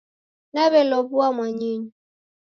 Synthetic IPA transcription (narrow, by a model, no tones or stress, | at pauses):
naβɛlɔbuamwaɲiɲu